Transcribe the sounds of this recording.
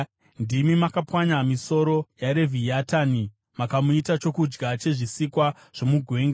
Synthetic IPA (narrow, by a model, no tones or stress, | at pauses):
ndimimakapwaɲamiso̞ɾo̞jaɾe̞vʱiatani | makamuitat͡ʃo̞kud͡ʒɡat͡ʃe̞ʐisikwa | ʐ̥o̞muɡʱwe̞ːŋɡa